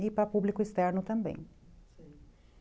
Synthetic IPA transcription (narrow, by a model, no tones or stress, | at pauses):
ipɾapublikʊist̪ɛɾnʊt̪ɐ̃mbḛ̃j̃